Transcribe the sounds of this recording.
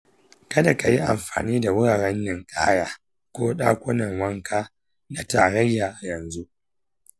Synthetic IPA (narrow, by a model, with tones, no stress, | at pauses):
kɐ˦da˨ka˨ji˦ʔa̰˨mɸa̰ː˨niː˦da˨wʊ˦ɽaː˨ɾɛ˦nːɪ˨ŋkʼa̰ː˦jaː˦ | kʷoː˦ɗa̰ː˦kʷʊ˦nɐ˨ŋwɐ˦ŋkaː˦ | na˨taː˨ɽɐ˦jːaː˨ʔa˨jɐ˨nzu˦ʔ